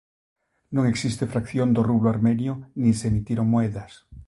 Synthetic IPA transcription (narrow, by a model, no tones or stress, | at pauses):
nõŋe̞ksist̪efɾakθjõnd̪oruβloaɾmẽnjonisemit̪jeɾoŋmoeðas